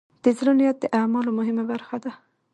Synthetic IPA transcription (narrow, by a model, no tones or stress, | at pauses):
d̪̥əzlonijɑt̪̚d̪əʔamɑlomʊɦɪmabaɾxad̪a